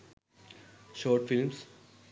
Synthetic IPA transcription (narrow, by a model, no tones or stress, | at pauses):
ʃoːʈfɪlms